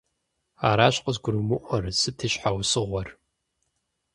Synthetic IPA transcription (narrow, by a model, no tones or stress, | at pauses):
aːɾaːɕqəzɡʷʊɾɨmɨʔʷɔrsɨtʰɨʃħawsɨʁʷɔr